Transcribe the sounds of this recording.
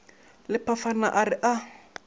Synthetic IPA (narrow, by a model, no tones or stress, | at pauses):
lɪpʰafana̰ʔarɪʔa